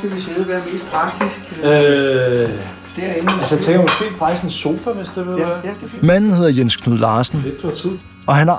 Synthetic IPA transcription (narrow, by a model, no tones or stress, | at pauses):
ɡeʋiseðˠʋæɐme̝ːsd̥pʰʁɑ̈ɡ̥̚d̥isɡ̥ø | d̥æɐenælsəjät͡sʰeŋɡ̥ɐmɔsɡ̥e̝̰ːfɑ̈ɡ̥isɡ̥enso̝ːfæʋe̝sd̥eʋemæn̰n̩he̝ð̞̰ˠɐjenskʰnuðˠlɑ̈ːsn̩ed̥ɒt͡sʰið̰ˠ | ɒ̽hænɑ